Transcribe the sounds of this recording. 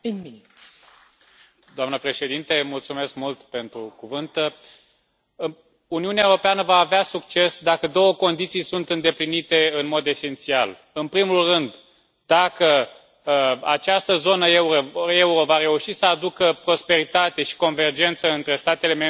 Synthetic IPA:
d̪oamnəpɾe̞ʃe̞d̪int̪e̞mult̪sume̞skmult̪pe̞nt̪ɾukuvɨnt̪ə | uniuneaewɾopeanəvaːveasukt͡ʃe̞sd̪akəd̪o̞wəko̞nd̪it̪sijsunt̪ɨnd̪e̞plinit̪e̞ɨnmo̞d̪e̞se̞nt̪sial | ɨnpɾimulrɨnd̪ | d̪akə | a̰t͡ʃast̪əzo̞nəeuɾoe̞uɾo̞vaɾe̞uʃisəad̪ukəpɾo̞spe̞ɾit̪at̪e̞ʃi̥ko̞nve̞rd͡ʒe̞nt̪səɨnt̪ɾe̞st̪at̪ele̞me

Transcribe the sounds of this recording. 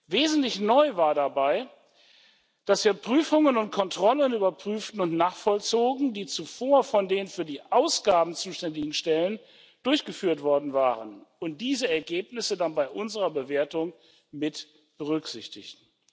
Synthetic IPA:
veːzn̩tlɪçnɔʏvaːɐdabaɪ | d̥asv̥iːɐpʁ̥yːfʊŋənʊntkʰɔntʁ̥ɔlənyːbɐpʁ̥yːftn̩ʊntnaːχfɔlt͡soːɡŋ̩diːt͡sufoːɐfɔndeːnfyːɐdiːʔaʊsɡ̥aːbm̩t͡suːʃtɛndɪɡŋ̩ʃtɛlən | d̥ʊɐçɡ̥əfyːɐtv̥ɔɐdn̩vaːʁənʊnt̚d̥iːzəɛɐɡeːpnɪsədanbaɪʔʊnzəʁɐbəveːɐtʊŋ | mɪt | b̥əʁʏkz̥ɪçtɪ̰çtn̩

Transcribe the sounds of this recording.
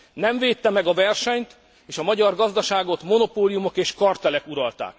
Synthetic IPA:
nɛɱveːt̪ːɛmɛɡɒvɛrʃɛɲt̪ | eːʃɒmɒɟɒrɡɒzd̪ɒʃaːɡo̞t̪mo̞no̞poːlijumo̞keːʃkɒrt̪ɛlɛkuɾɒlt̪a̰ːk

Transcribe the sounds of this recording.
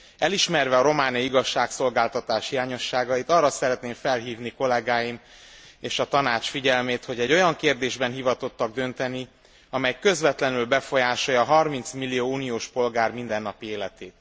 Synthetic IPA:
ɛliʃmɛrvɛɒɾo̞maːniiɡɒʃːaːkso̞lɡaːlt̪ɒt̪aːʃhijaːɲo̞ʃːaːɡɒjit̪ɒrːɒsɛɾɛt̪neːɱfɛlɦiːvniko̞lɛɡaːjim | eːʃɒt̪ɒnaːt͡ʃfiɟɛlmeːt̪ho̞ɟɛɟːo̞jɒŋkeːrd̪eːʒbɛnɦivɒt̪o̞t̪ːɒɡ̚d̪ø̞nt̪ɛni | ɒmɛjkø̞zvɛt̪lɛnylbɛfo̞jaːʃojɒɦɒrmint̪smilːijoːuːnijoːʃpo̞lɡaːrmind̪ɛnːɒpieːlɛt̪eːt̪

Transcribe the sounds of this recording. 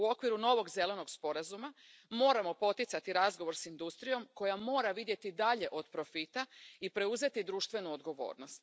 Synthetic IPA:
uo̞kʋiɾuno̞ʋo̞ɡze̞le̞no̞ɡspo̞ɾazuma | mo̞ːɾamo̞po̞t̪it̪sat̪iɾazɡo̞ʋo̞ɾsind̪ust̪ɾijo̞mko̞jamo̞ːɾaʋid̪je̞t̪id̪aʎe̞ʔo̞d̪pɾo̞fit̪aipɾe̞uze̞t̪id̪ɾuːʃt̪ʋe̞nuod̪ɡo̞ʋo̞̰ːɾno̞st̪

